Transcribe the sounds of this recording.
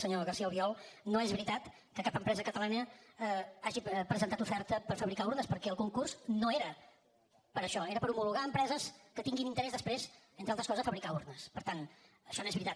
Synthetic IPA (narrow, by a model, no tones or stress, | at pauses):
səɲoɣərsialˠβiɔlˠnoezβɾit̪at̪ | kəkapəmpɾɛzəkət̪əlanə | aʒipɾəzənt̪at̪ufɛɾt̪əpəɾfəβɾikauɾnəspəɾkɛəlˠkuŋkurznoeɾə | pəɾəʃɔeɾəpəɾumuluɣaəmpɾɛzəskət̪iŋɡinint̪əɾɛzðəspɾezent̪ɾalt̪ɾəskɔzəfəβɾikauɾnəspəɾt̪an | əʃɔnoezβɾit̪a